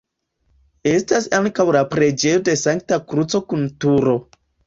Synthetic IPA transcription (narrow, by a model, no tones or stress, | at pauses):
e̞stasaŋkawlapɾe̞d͡ʒe̞jode̞saŋk̚takɾut͡so̞kuntuɾo̞